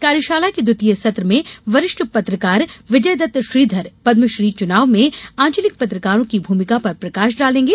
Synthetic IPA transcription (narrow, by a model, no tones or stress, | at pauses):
kaːɾɪʃaːlaked̪ʊt̪ijəsɐt̪ɾəmẽʋɐɾɪʃʈpɐt̪ɾəkaːɾʋɪd͡ʒəjd̪ɐt̪ʃɾiːd̪ʱɐɾpɐd̪məʃɾiːt͡ʃʊnaːʋmẽãːɲt͡ʃəlɪk̚pɐt̪ɾəkaːɾõkibʱuːmɪkapɐɾpɾɐkaːʃɖaːlẽːŋɡeː